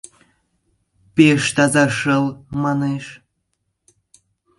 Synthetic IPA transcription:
peʃt̪ɑzɑʃəlmɑneʃ

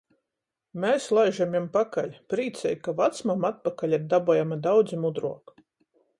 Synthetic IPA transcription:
mɛːslˠajʒamʲjampakalʲpɾiːt̪sʲɛjkavat̪smamat̪̚pakalʲiɾd̪abuɔjamad̪awd̪zimud̪ɾuɔk

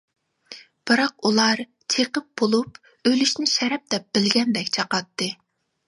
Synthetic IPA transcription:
b̥ɨɾɑq̚ulˠɑɾ | t͡ʃʰeqəp̚bolˠup | ølyʃnɪʃɛɾɛp̚d̪̥ɛp̚bɪlɡʲɛnd̪ɛkʲt͡ʃʰɑqɑt̪ːɨ

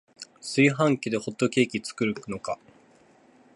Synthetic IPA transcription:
sɨiɦãŋkʲid̪e̞ho̞t̪ːo̞kʲe̞ːkʲit͡sɨ̥kɯ̟ɾɯno̞ka

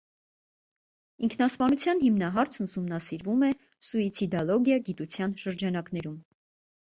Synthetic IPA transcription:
iŋkʰnɑspɑnut͡sʰjɑnhimnɑɦɑɾt͡sʰənsumnɑsiɾvumɛ | sɔit͡sʰid̪ɑlɔɡjɑɡit̪ut͡sʰjɑnʃəɾd͡ʒɑnɑknɛɾum

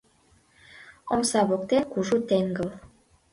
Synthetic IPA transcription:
omsɑβok̚t̪enkuʒut̪eŋɡə̆l

